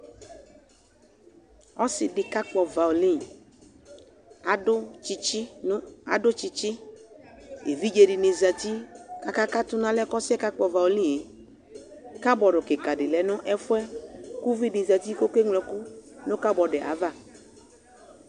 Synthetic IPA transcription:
ɔ˦sɪ˨dɪ˨ka˦k͡pɔ˨va˨lĩ˦˨˦ | t͡ʃɪ˦a̰˨dʊ˦t͡ʃɪ˨t͡ʃɪ˦ | ḛ˨vi˦d͡ʒe˨dɪ˨nɪ˨za˨t̪i˦ka˨ka˦ka˦t̪ʊ˦nã˦lɛ˦kɔ˦sɪ˦ɛ˦ka˦k͡pɔ˨va˨o˨lĩ˦˨e˨ | ka˦bɔ˨ɖʊ˨kɪ˨ka˨dɪ˨lɛ˨nʊ̃˦ʔɛ˦fʊ˦ɛ˦ku˦vi˦dɪ˨za˨t̪i˦ko˦ke˦ŋlɛ˨kʊ˦nʊ̃˦ka˦bɔ˨dɪ˨ʔa̰˨˦va˦˨

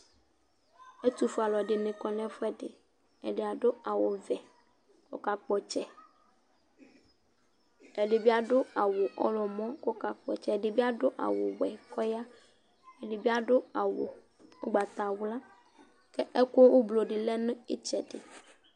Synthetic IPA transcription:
e˦t̪u˦fu˦a˨lɔ˨ɖe˨nẽ˨kɔ˨n˦ɛ̃˦fɛ˦ɖḛ˨ | ḛ˨ɖe˨a˨ɖo˦a˨wo˨vɛ˨ | ko̰˦ka˨k͡pɔ˨t͡ʃɛ˦ | e˨ɖe˨bi˦a˦ɖo˦a˨wo˨ʔɔ̰˦lɔ˨mɔ̃˦kɔ˦ka˨k͡pɔ̰˨t͡ʃɛ˦˨ɖe˨bi˦a˦ɖo˦ʔa̰˨wo˨wɛ˨kʰɔ˦ja˦ | e˨ɖe˨bi˦a˦ɖo˦a˨wo̰˨ | o˦ɡ͡ba˨t̪a˨wo˦la˦ | kɛ˦ʔe˦ko˦wo˦blo˨ɖe˨lɛ˦nẽ˦i˦t͡ʃɛ˨ɖḛ˨

